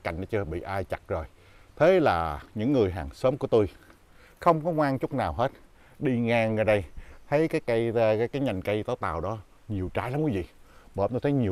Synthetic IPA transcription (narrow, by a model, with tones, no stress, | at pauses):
ka̰˧˩jŋ̟nɔ˨˦t͡ɕɨ˧əɓḭ˧˨ʔaː˧jt͡ɕa˨˩k̚zo˨˩j | t̪ʰe˨˦laː˨˩ɲɨ̰˧˥ŋːɨ˨˩əjɦaː˨˩ŋsəː˨˦mku˧˩ət̪u˧j | xə˧wŋ͡mkɔ˨˦ŋwaː˧ŋt͡ɕʊ˦˥k͡p̚naː˨˩wɦe˦˥t̚ | ɗi˧ŋaː˧ŋːəː˧˩ɗə˧jt̪ʰə˨˦jkaː˨˦jka˨˧jkaː˨˦jkaː˨˦jɲa˨˩jŋ̟kə˧jt̪aː˨˦wt̪a̰ː˨˩wɗɔ˨˦ | ɲi˨˩əwt͡ɕaː˧˥jla˨˦mkuː˨˦vḭ˧˨ɓəː˨˩nt̪o˧t̪ʰə˨˦jɲi˨˩ə